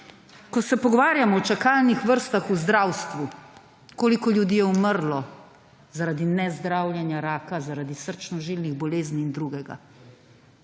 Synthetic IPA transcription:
kɔsɛpɔɡɔʋaːɾjamɔːt͡ʃakalnixʋəɾst̪axuzd̪ɾawst̪ʋu | koːlikɔljud̪iːjɛuməɾlɔ | zaɾaːd̪inɛzd̪ɾawlʲjɛnjaɾaːkazaɾad̪isəɾt͡ʃnɔʒilniɣbɔleːzniːnd̪ɾuɡɛɡa̰

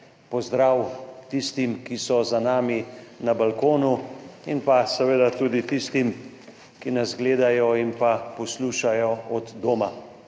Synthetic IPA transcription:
pɔzd̪ɾaːwt̪ist̪imkisɔzanaːminabalkoːnuinpasɛʋeːd̪at̪uːd̪it̪ist̪im | kinazɡleːd̪ajɔinpapɔsluːʃajɔɔd̪ːoːma

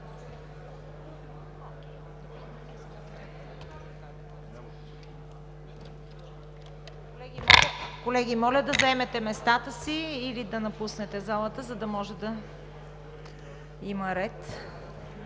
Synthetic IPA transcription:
kolɛɡʲimɔlʲəd̪ɐzɛmɛt̪ɛmɛst̪at̪əsiːlid̪ɐnɐpusnɛt̪ɛzalˠət̪əzɐd̪ɐmɔʒɛd̪ɐ | iməɾɛt̪

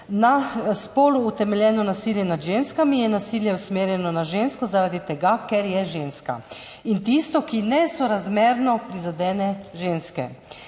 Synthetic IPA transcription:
naspoːluːt̪ɛmɛljɛːnɔnasiljɛnad̪ʒeːnskamijɛnasiljɛusmeːɾjɛnɔnaʒeːnskɔzaɾad̪it̪ɛɡakɛɾjɛʒeːnska̰ | int̪ist̪ɔkinɛsɔɾazmeːɾnɔpɾizad̪ɛːnɛʒeːnskɛ̰

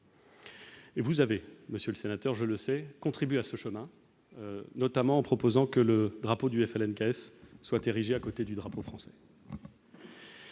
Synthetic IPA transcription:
evuzaveməsjøləsenat̪œʁʒələsɛkɔ̃t̪χibeasəʃəmɛ̃ | nɔt̪amɑ̃ɑ̃pχɔpozɑ̃kələd̪ʁapod̪yɛfɛlɛnkaɛsːwat̪eʁiʒeakot̪ed̪yd̪ʁapofχɑ̃sɛ̥

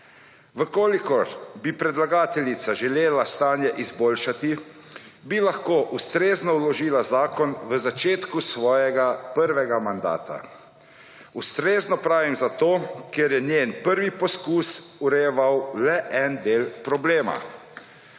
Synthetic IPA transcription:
ʋəkoːlikɔɾbipɾɛd̪laɡaːt̪ɛljit̪saʒɛleːlast̪aːnjɛʔizboːlʃat̪i | bilaxkoːʔust̪ɾeːznɔwlɔʒiːlazaːkɔnʋəzat͡ʃeːt̪kusʋɔːjɛɡapəɾʋɛɡamand̪a̰ːt̪a̰ | ust̪ɾeːznɔpɾaːʋimzat̪oːkɛɾjɛnjeːnpəɾʋipɔskuːsuɾɛjɛʋawlɛʔɛnd̪eːlpɾɔbleːma̰

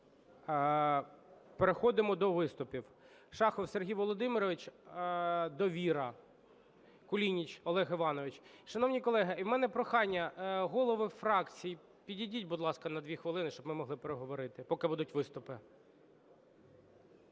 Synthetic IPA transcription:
peɾexɔd̪ɪmɔd̪ɔʋɪst̪ʊpʲiw | ʃɑxɔwserɦʲijʋɔlˠɔd̪ɪmɪɾɔʋɪt͡ʃ | d̪ɔʋʲiɾɐ | kʊlʲinʲit͡ʃɔlˠɛɦɪʋɑnɔʋɪt͡ʃ | ʃɐnɔwnʲijkɔlˠɛɦɪiwmɛnɛpɾɔxɑnʲːɐɦɔlˠɔʋɪfɾɑkt͡sʲiji | pʲidʲidʲitʲbʊd̪lˠɑskɐnɐd̪ʋʲixʋɪlˠɪnɪʃt͡ʃɔbmɪmɔɦlˠɪpeɾeɦɔʋɔɾɪt̪ɪpɔkɪbud̪ʊtʲʋɪst̪ʊpɪ

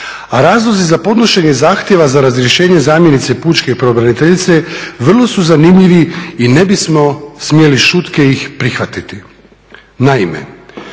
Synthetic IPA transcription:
aɾaːzlˠozizapo̞d̪no̞ʃe̞ɲezaːxt̪je̞ʋazaɾazɾje̞ʃeːɲe̞zaːmje̞nit̪se̞puːt͡ʃke̞ipɾobɾanit̪eʎit̪se̞ʋr̩lˠo̞suzanimʎiʋiine̞bismo̞smije̞liʃut̪ke̞ixpɾixʋat̪it̪i | naimḛ

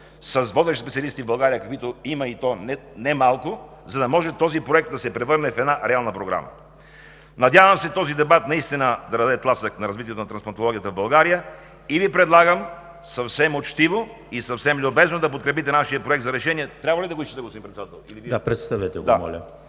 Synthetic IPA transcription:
sɐsvɔd̪ɛʃspɛt̪siɐəlist̪ivbɐlˠɡaɾijəkɐkwit̪oimɐit̪ɔnɛnɛmalˠko | zɐd̪ɐmɔʒɛt̪ɔzipɾoɛk̚t̪d̪ɐsɛpɾɛvɤɾnɛfɛd̪naɾɛalˠnəpɾoɡɾa̰mə̰ | nɐd̪ʲjavəmsɛt̪ɔzid̪ɛbat̪nɐist̪inəd̪ɐɾɐd̪ɛt̪lˠasəknɐɾɐzvit̪̬ʲiɛt̪onɐt̪ɾɐnsplˠɐnt̪olˠɔɡʲijət̪əvbɐlˠɡaɾijə | ivipɾɛd̪lˠaɡəm | sɐfsɛmot͡ʃt̪ivo | isɐfsɛmlʲʊbɛznod̪ɐp̬ot̪̚kɾɛpit̪ɛnaʃiəpɾoɛk̚t̪zɐɾɛʃɛniɛt̪ɾʲabvɐlid̪ɐɡoisʃt͡ʃɛd̪ɐɡosimpɾɛt̪ɛd̪at̪ɛlˠiliviapɾɛt̪st̪avɛt̪ɛɡd̪amɔ̰lʲə̰

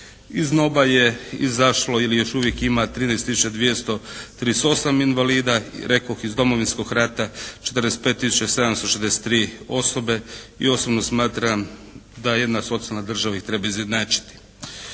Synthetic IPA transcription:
izno̞baje̞izaʃlo̞ilijo̞ʃuʋje̞kimat̪ɾiːnest̪isut͡ʃad̪ʋjest̪o̞t̪ɾiːst̪o̞saminʋaliːd̪aɾe̞koxizd̪o̞mo̞ʋinsko̞ɡɾaːt̪at͡ʃet̪ərd̪est̪̚pet̪ːisu̥t͡ʃase̞d̪amst̪o̞ʃed̪ese̥t̪ːɾiːo̞so̞be̞ḭo̞sobno̞smaːt̪ɾamd̪aje̞d̪naso̞t̪sialnad̪r̩ʒaʋaixt̪ɾebaizjed̪naːt͡ʃi̥t̪i̥

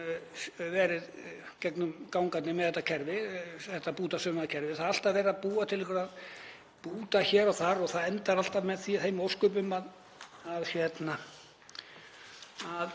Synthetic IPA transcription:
vɛːɾɪð | cɛknʏmkawŋkat̪nɪmɛðθɛht̪ːacʰɛɾvɪθɛht̪ːapuːt̪asœːmaðcʰɛɾvɪθaðal̥t̪avɛːɾapuːat̪ʰɪlɪkʰʏɾað | puːt̪açɛːɾawθaɾɔɣθaðɛnt̪aɾal̥t̪amɛðθiθejmowskʏpʏmað | aðsjɛt̪na | að

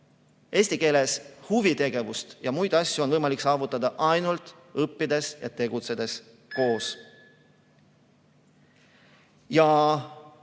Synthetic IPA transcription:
e̞ːsʲt̪ike̞ːle̞shuvit̪e̞ɡ̥e̞vust̪jɑmujd̪̥ɑsʲːjuo̞nvɤjmɑliksɑːvut̪ːˑɑd̪ɑʔɑjnult̪ˑ | ɤpːid̪e̞sjɑ̰t̪e̞ɡut̪se̞d̪̥e̞s | ko̞ːs | jɑ

